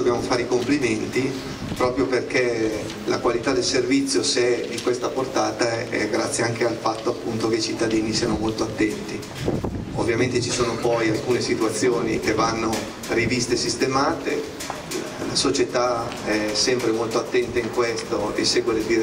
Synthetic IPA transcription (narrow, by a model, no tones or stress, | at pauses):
objaːmofaːɾeikompliment̪i | pɾɔːpɾjoperke | lakwalit̪ad̪elservit̪sːjoseɛd̪ikwest̪aport̪aːt̪aɛ̰ɡɾat̪sjeaŋk̟ealfat̪ːoapːunt̪okeit͡ʃit̪ːad̪iːnisiːanomolt̪oat̪ːɛnt̪i | ovːjament̪et͡ʃisoːnopɔjalkuːnesit̪uat̪sːjoːnik̟evanːo | rivist̪esist̪emaːt̪e | lasot͡ʃet̪a | ɛsɛmpɾemolt̪oat̪ːɛnt̪aiŋkwest̪oeseːɡwed̪eld̪iɾ